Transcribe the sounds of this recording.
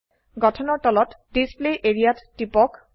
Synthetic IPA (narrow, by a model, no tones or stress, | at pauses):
ɡɔtʰɔnɔɹtɔlɔt | displeʔeɹijatːipɔk